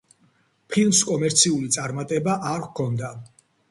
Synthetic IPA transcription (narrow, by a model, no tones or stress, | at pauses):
pʰilˠmskʼɔmɛɾt̪sʰiulit̪sʼaɾmat̪ʼɛbaʔaɾkʰɔnd̪a